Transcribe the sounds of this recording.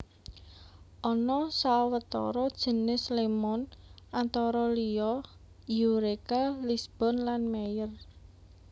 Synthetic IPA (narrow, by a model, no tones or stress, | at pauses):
ʔɔnɔsawət̪ɔ̰ɾɔd̥ʒ̥ə̤nɪslemɔnʔant̪ɔɾɔliɔ | juɾekalisb̥ɔ̤nlanmejər